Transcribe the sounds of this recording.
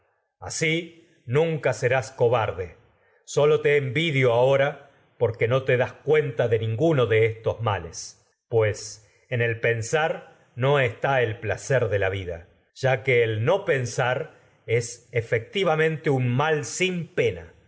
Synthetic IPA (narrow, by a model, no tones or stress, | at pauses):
a̰si | nũŋkase̞ɾasko̞βaɾðe | so̞lo̞t̪eːmbiðjo̞ao̞ɾa | po̞ɾke̞no̞t̪eðaskwe̞nt̪aðe̞nĩŋɡuno̞ðe̞est̪o̞zmales | pwe̞s | ene̞lpe̞nsaɾ | no̞est̪aelplaseɾðe̞laβiða̰ | ʒ̥akeːlno̞pe̞nsaɾ | e̞sefek̚t̪iβamẽ̞nt̪eunmalsimpe̞na̰